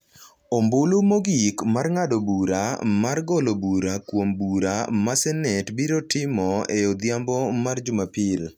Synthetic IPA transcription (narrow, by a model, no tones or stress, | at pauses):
ombolomoɡikmarŋadɔbuɾamarɡɔlobuɾakwombuɾamasɛnɛtbiɾɔtɪmɔeod̪jambɔmard͡ʒʊmapɪl